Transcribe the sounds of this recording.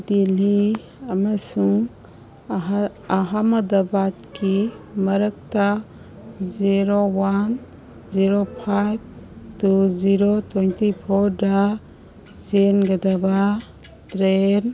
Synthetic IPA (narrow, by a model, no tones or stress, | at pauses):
dili | amasuŋ | aɦamadabatkʰimɐɾək̚ta | ziɾowan | ziɾopʰajb̚tuziɾotejntipʰɔɾda | zenɡadaba | tɾen